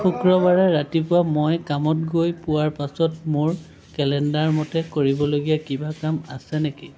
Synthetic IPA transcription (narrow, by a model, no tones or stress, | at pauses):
xukɹɔbaɹɛɹatipʊwamojkamɔtɡojpʊwaɹpasɔtmʊɹ | kɛlɛndaɹmɔtɛkoɹibɔloɡijakibakamasɛneki